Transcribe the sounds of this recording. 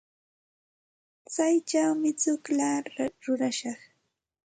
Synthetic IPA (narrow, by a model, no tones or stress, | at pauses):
t͡sajt͡ʃawmɪt͡sʊklaɾʊɾaʃɑχ